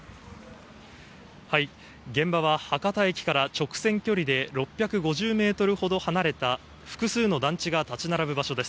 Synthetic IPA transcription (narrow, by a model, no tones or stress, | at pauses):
hai | ɡẽ̞mbaβ̞ahakat̪aekʲi̥kaɾat͡ɕo̞kɯ̥sẽ̞ŋkʲo̞ɾʲid̪e̞ɾo̞pʲːjakɯ̟ɡo̞ʑɨːme̞ːt̪o̞ɾɯ̟ho̞d̪o̞hanaɾe̞t̪a | ɸɯ̟̥kɯ̟sɨːno̞d̪ãɲ̟t͡ɕiɡat̪at͡ɕinaɾabɯ̟baɕo̞d̪e̞sɨ̥